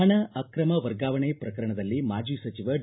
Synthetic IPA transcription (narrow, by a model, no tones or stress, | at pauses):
ɳɐɐkɾɐmɐʋɐɾɡaːʋɐɳepɾɐkɐɾɐɳɐd̪ɐlːimaːd͡ʒiːsɐt͡ʃiʋɐɖ